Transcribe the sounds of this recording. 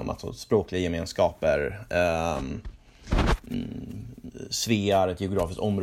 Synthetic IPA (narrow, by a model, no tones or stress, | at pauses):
ɔ̰ma̰t̪sɔ̰spɾoːklɪɡajɛmeːnskɑːpəɾ | sveːaɾɛt̪jɛʊɡɾɑːfɪskt̪ɔmɾ